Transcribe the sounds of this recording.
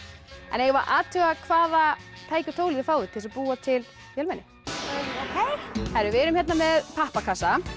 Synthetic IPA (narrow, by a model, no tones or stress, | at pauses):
ɛ̰njɛɣvaɾʔaːt̪ʰʏɣakʰvaːðat̪ʰaːjcʏ̥t̪ʰoːwlɪðɪfaːwðʏt̪ʰɪlsapuːat̪ʰɪl | fjœlmɛnːɪ | kʰeθaɾʏvɛːɾʏmçɛt̪namɛðpʰahpakʰasa